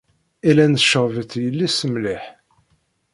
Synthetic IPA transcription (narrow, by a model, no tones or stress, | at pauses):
ilænʃəʁvəθjəlːisəmliħ